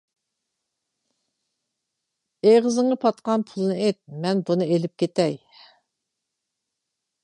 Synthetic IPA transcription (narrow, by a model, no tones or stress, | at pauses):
eʁəzɨŋɑpʰɑt̪̚qɑnpʰulˠnɨet̪̚mɛnbunɨelɪp̚kʲʰet̪ɛj